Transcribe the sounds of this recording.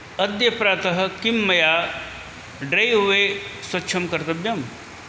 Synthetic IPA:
ɐd̪jɐpɾaːt̪ɐɦɐ̆kimːɐjaː | ɖɾejɦuʋeswɐtːʃʰɐmkɐɾt̪ɐbjɐm

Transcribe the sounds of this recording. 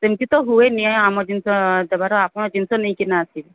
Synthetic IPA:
semkit̪ɔɦueniɔjamɔd͡ʒinsɔd̪ɛbaɾɔapɔnɔd͡ʒinsɔnej̃kinaːsil

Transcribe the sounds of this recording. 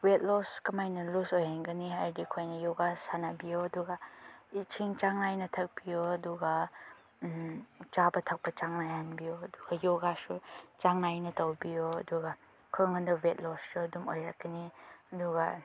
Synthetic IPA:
wet̚lɔskɐmajnɐlusojhanɡɐniɦajdikʰojnɐjoɡasanabijoɐduɡait͡ʃʰiŋt͡ʃaŋnajnɐtʰɐk̚bijoɐduɡa | t͡ʃabɐtʰɐk̚pɐt͡ʃaŋnajhanbijoɐduɡ̥ajoɡasut͡ʃaŋnajnɐtawbijoɐduɡa | kʰɔŋɐndɐwet̚lɔssuɐdumojɾakːɐniɐduɡa

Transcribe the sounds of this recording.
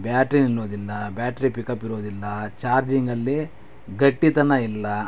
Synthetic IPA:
bjaːʈɾinilːoːd̪ilːɐbjaːʈɐɾipikɐpːiɾuʋd̪ilːɐt͡ʃaːɾd͡ʒiŋɡɐlːi | ɡɐʈːit̪ɐnɐilːɐ

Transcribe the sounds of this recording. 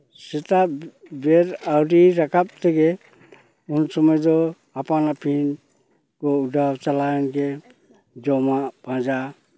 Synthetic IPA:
sɛt̪abɛɾawɾiɾakʰap̚t̪ɛɡɛ | unsɔmɔjd̪ɔ | apanapʰin | kɔudʱawt͡ʃalajɔnɡɛ | d͡ʒɔmab̥ʱãd͡ʒa

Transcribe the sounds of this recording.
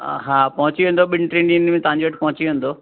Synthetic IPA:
ɦaːpɐɦʊ̃t͡ɕiʋẽːn̆d̪oɓɪnʈɾẽnĩnmẽt̪ɐʋãɲd͡ʑoʋɐʈʰpɐɦʊ̃t͡ɕiʋẽːn̆d̪oː

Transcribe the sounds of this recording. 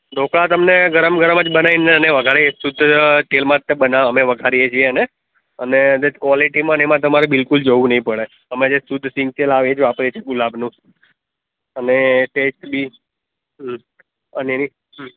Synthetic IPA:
d̪okɭat̪əmneɡʱəɾəmɡʱəɾəməd͡ʒbənaineəneʋəɡʱaɾiesʊd̪ʱːʈelmãt̪abənaəmeʋəɡʱaɾijet͡ʃʰiene | əned̪əkʋɔliʈimãnemãt̪əmaɾebɪlkʊld͡ʒoʋũnəɦĩpəɭe | əmẽd͡ʒesʊd̪ʱːsĩŋɡ̚ʈelaʋẽd͡ʒʋapɾeet͡ʃʰeɡulabnũ | əneʈesʈbi | ɦ | əneni | ɦ

